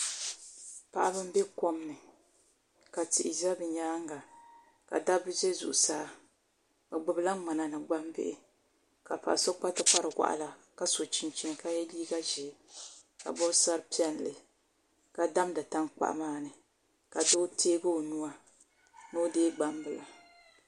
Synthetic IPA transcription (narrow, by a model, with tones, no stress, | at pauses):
pa˨ʔa˦bɨ˦m˦bɛ˦ko˦m˦nɨ˨ | ka˨ti˨ʔɪ˨za˦bɨ˨ɲaː˦ŋ˦ɡa˨ | ka̰˨da˦bɨ˦zɛ˦zṵ˨ʔu˨saː˦ | bɨ˨ɡ͡bɨ˨˦bɨ˦la˦ŋ͡ma˨na˨nɨ˨ɡ͡ba˦mbɪ̰˦ʔɪ˦ | ka˨pa̰˨ʔso˦k͡pa˦tɨ˦k͡pa˦ɾɨ˨wa̰˦ʔa̰˦la˨ | ka˦so˨t͡ʃi˨nt͡ʃi˦nka˦jɛ˦liː˦ɡa˦ʒɛ˨ka̰˨bɔ˦bsa˦ɾɨ˦pi˦ɛ˦n˨lɨ˨ | ka˨da˦mda˨ta˦ŋk͡pa̰˨ʔmaː˦˨nɨ˨ | ka˨do˦tʰeː˦bɨ˦˨nu˦a˦ | no˦deː˦ɡ͡ba˦m˦bɨ˨la˨